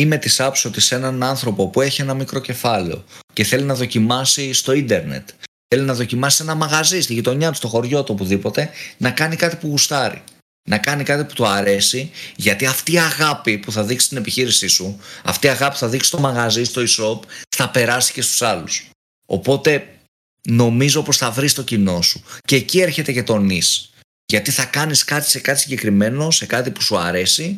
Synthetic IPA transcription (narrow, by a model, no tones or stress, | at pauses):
ime̞t̪isɐpsot̪ise̞nɐnɐnθɾo̞popue̞çie̞nɐmikɾo̞ce̞fɐlḛo̰ce̞θe̞linɐðo̞cimɐsist̪o̞ind̪e̞ɾne̞̰t̪θe̞linɐðo̞cimɐsi̥se̞nɐmɐɣɐzist̪iʝit̪o̞ɲɐt̪u̥st̪o̞xo̞ɾʝo̞t̪uopuðipo̞t̪e̞nɐkɐnikɐt̪i̥puɣust̪ɐɾḭ | nɐkɐnikɐt̪ipu̥t̪oɐɾe̞siʝɐt̪iɐft̪iɐɣɐpipuθɐðiksi̥st̪ine̞piçiɾisisuɐ̰ft̪iɐɣɐpi̥uθɐðiksi̥st̪o̞mɐɣɐzist̪o̞iso̞pθɐpe̞ɾɐsi̥ce̞st̪u̥sɐlus | o̞̰po̞t̪e̞ | no̞mizo̞po̞sθɐvɾist̪o̞cino̞su̥ce̞ːcie̞ɾçe̞t̪e̞cet̪o̞nis | ʝɐt̪iθɐkɐniskɐt̪i̥se̞kɐt̪isiɲɟekɾime̞no̞se̞kɐt̪ipu̥suɐɾe̞si